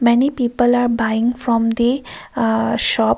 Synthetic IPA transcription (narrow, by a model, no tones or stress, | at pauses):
mɛnipiːpəlaːɾbaɪɪ̃ŋfɾɔ̃md̪i | ʃɔːp